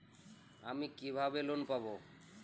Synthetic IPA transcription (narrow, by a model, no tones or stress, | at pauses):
amikibʱabelonpabo